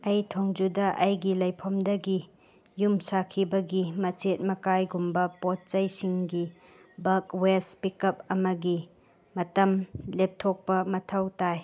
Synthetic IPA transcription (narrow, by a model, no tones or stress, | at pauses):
ɐjtʰoŋd͡ʒudɐʔɐjɡilɐjpʰɔmdɐɡi | jumsakʰibɐɡimɐt͡ʃet̚mɐkajɡumbɐpot̚t͡ʃɐjsiŋɡi | bɐkwespikɐp̚ɐmɐɡi | mɐtɐmlep̚tʰok̚pɐmɐtʰɐwtaj